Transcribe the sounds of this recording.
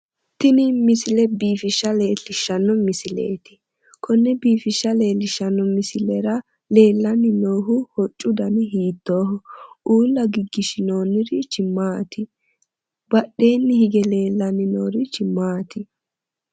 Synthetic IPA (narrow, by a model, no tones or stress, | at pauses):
t̪ɪnɪmɪsɪlɛbiːfɪʃːɐleːlɪʃːɐnːɔmɪsɪlḛːt̪ɪ̥ | kʰɔnːɛbiːfɪʃːɐle̞ːlɪʃːɐnːɔmɪsɪlɛɾɐ | le̞ːlːɐnɪnoːɦʊhɔt͡ʃʼːʊd̪ɐnɛɦiːt̪ːoːɦɔuːlːɐɡɪɡːɪʃɪnoːnːɪɾɪt͡ʃɪmːaːt̪ɪ | bɐɗːe̞ːnːɪhɪɡɛle̞ːlːɐnɪnoːɾɪt͡ʃɪmːaːt̪ɪ